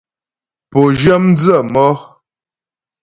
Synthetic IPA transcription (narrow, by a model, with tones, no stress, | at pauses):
po˨ʒə˦mn˦d͡zə˦˨mɔ˦